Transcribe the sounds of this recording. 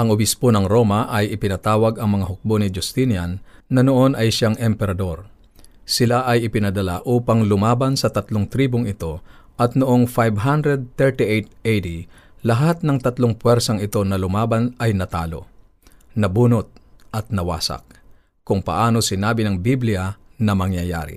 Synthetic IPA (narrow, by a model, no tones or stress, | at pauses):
ʔɐŋʊbɪsponɐŋɾo̞mɐʔɐjʔɪpɪnɐt̪aːwɐɡɐŋmɐŋaɦʊk̚bonɪd͡ʒʊst̪injanːɐnoʔo̞nɐjʃaŋʔɛmpɛɾɐd̪o̞ɾ | sɪlaʔɐjɪpɪnɐd̪ɐla̰ʔuːpɐŋlʊmaːbɐnsɐt̪ɐt̪loŋt̪ɾiːboŋɪt̪o̞ʔɐt̪̚noʔoŋfajbɦand̪ɾɛd̪̚t̪ɛɹt̪iʔejt̪̚ejd̪i | lɐɦat̪̚nɐŋt̪ɐt̪loŋpwɛɾsɐŋɪt̪o̞nɐlʊmaːbanɐjnɐt̪a̰ːlo̞̰ | nɐbuːnot̪̚ʔɐt̪̚nɐwa̰ːsɐ̰k̚ | kʊŋpɐ̰ʔaːnosɪnaːbɪnɐŋbiblɪjanɐmɐŋjɐja̰ːɾɪ̰